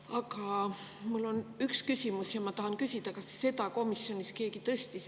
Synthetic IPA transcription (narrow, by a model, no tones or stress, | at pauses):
ɑkɑmulːo̞nykskysimusjɑmɑt̪ɑɦɑnkysʲid̪̥ɑkɑsːe̞d̪ɑko̞misːjo̞nʲiske̞ːkit̪ɤsʲt̪is